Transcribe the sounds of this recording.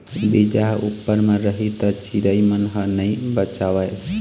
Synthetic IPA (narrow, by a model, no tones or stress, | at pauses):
bid͡ʒaɦupːəɾmẽɾəɦit̪ɔt͡ʃiɾəimənɦənəibət͡ʃaʋajʰ